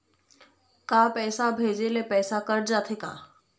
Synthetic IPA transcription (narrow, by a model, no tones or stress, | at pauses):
kapɛːsabʱeːd͡ʒelepɛːsakəɾd͡ʒaːt̪ʰeka̰ː